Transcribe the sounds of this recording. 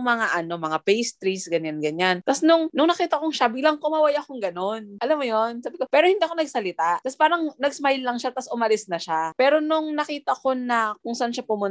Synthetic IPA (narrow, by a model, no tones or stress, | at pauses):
ŋmɐŋaʔɐno̞mɐŋapejst̪ɾisɡɐɲanɡɐɲant̪ɐsnʊŋnʊŋnɐkiːt̪ɐkoŋʃabiːlɐŋkomɐwɐjaʔkʊŋɡɐno̞nʔɐlamːojo̞nsaːbɪkopɛːɾohɪnd̪iːɐkonɐɡ̚sɐlɪt̪aʔt̪ɐspaːɾɐŋnɐɡ̚smajlːɐŋʃat̪ɐsʔʊmɐlɪsnɐʃapɛːɾo̞nʊŋnɐkiːt̪ɐʔko̞nɐkʊŋsɐʔanʃapʊmʊn